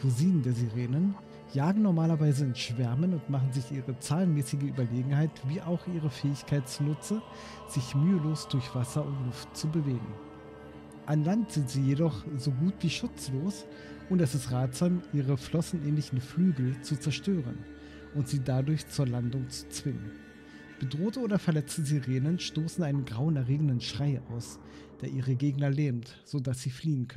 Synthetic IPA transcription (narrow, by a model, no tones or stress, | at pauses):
ʁuziːndeːɐziʁeːnən | jaːɡŋ̩nɔɐmaːlɐvaɪzəɪnʃv̥ɛɐmənʊntmaχn̩zɪçʔiːʁət͡saːlənmɛːsɪɡəyːbɐleːɡŋ̩haɪtviːʔaʊxʔiːʁ̞əfɛːɪçkʰaɪtt͡sunʊt͡sə | z̥ɪçmyːəloːsd̥ʊɐçv̥asɐʊntlʊftt͡subəveːɡŋ̩ | ʔanlantz̥ɪntz̥iːjedɔχz̥oːɡuːtv̥iːʃʊt͡sloːs | ʔʊntɛsɪstʁaːtz̥aːmʔiːʁəflɔsn̩ʔɛːnlɪçn̩flyːɡl̩t͡sut͡sɛɐʃtøːʁə̰n | ʔʊntz̥iːdadʊɐçt͡suːɐlandʊŋt͡su̥t͡sv̥ɪŋən | b̥ədʁoːtəoːɾɐfɛɐlɛt͡stəziʁeːnənʃtoːsn̩ʔaɪnənɡʁaʊənɛɐʁeːɡŋ̩dənʃʁ̥aɪʔa̰ʊs | d̥eːɐʔiːʁəɡeːɡnɐlɛːmt | z̥oːdasz̥iːfliːənkʰœ